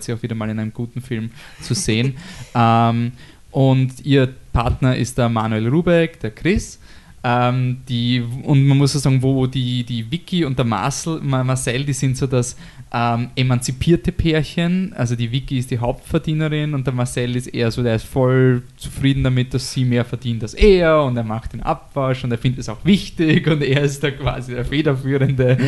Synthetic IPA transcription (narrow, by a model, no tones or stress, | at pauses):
tsiaʊviːɾɐmaːlɪnæɪnəmɡ̥uːtn̩fɪlmt͡suzeːənʔɛm | ʔʊntiːɐpʰaɐtnɐʔɪ̰st̚d̥ɐmaːnuelʁuːbɛkd̥eːɐkʰʁɪs | ʔɛmd̥iːʊntmanmʊsosaːɡŋ̩voːdiːd̥iːvɪkʰiʊ̃nt̚d̥ɐma̰sl̩mamasɛldiːsɪntsoːdas | ʔɛmʔemant͡sipʰiːɐtəpʰeːɐçənʔa̰lzodiːvɪkiɪstd̥iːɦaʊp̚tfɛɐdiːnəʁɪnʊ̃nt̚d̥eːɐmaɐsɛlɪstʔḛːɐzoːdeːɐɪstfɔlt͡su̥fʁiːdn̩damɪt̚d̥asːiːmeːɐfɛɐd̥iːntalsʔeːɐʊnteːɐmaχtd̥eːnʔa̰pv̥aʃʊ̃nteɐfɪndəɛsa̰ʊxvɪçtɪçʊ̃nteːɐɪstd̥akʰv̥a̰ːzideːɐfeːdɐfyːʁəndə